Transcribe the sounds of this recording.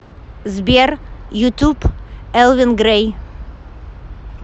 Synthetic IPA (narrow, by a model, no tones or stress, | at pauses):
zbeɾjut̪ʰupɛlˠvɪnɡɾej